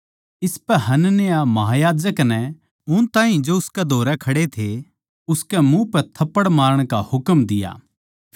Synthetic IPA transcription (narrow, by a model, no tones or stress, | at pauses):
ɪspɛɦɐnnejamɐɦaːjaːd͡ʒəknɛ | ʊnt̪ãːɦĩd͡ʒoʊskɛd̪ʱoːɾɛkʰɐɽet̪ʰe | ʊskɛmũpɛt̪ʰɐpːəɽmaːɾəɽ̃kahʊkəmd̪ɪja̰ː